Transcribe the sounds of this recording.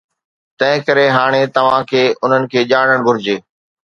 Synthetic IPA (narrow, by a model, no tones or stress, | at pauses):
t̪ɐ̃ɦɪ̃kɐɾeɦaːɽ̃et̪ɐʋ̤ãkʰeːʔʊn̤ənɪ̆kʰeːʄaːɽ̤əɽ̃ɡʱʊɾɪd͡ʑeː